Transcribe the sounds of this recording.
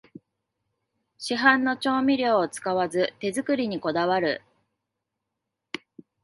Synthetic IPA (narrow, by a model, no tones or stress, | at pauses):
ɕiɦãnːo̞t͡ɕo̞ːmʲiɾʲo̞ːt͡sɨ̥kaβazɨt̪e̞zɨkɯ̟ɾʲiɲ̟iko̞d̪aβaɾɯ̟̰